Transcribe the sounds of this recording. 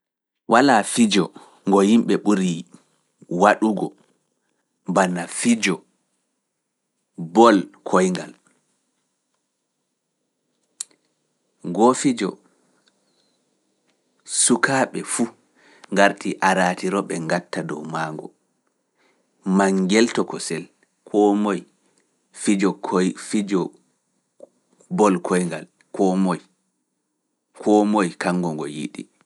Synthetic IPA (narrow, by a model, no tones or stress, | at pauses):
wʔalaːfid͡ʒɔ | ŋɡɔhimɓɛɓuɾi | waɗuɡɔ | banafid͡ʒɔ | bɔlkʰɔjŋɡa̰l | ɡɔfid͡ʒɔ̰ | sukaːɓɛfu | ŋɡaɾtiʔaɾaːtiɾɔɓɛŋɡatːadɔwmaːŋɡɔ̰ | maŋɡɛltɔkɔsɛl | kʰɔmɔj | fid͡ʒɔfid͡ʒɔ | bɔlkʰɔjŋɡa̰l | kɔmɔj | kʰɔmɔjkaŋɡɔŋɡɔ̰jḭɗḭ